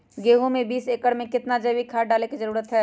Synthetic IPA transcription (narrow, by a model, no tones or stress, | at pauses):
ɡeːɦõmẽbiːseːkəɽmẽkɪt̪nad͡ʒɐwikʰaːɖaːlekizɐɾuːɾət̪ɦɛː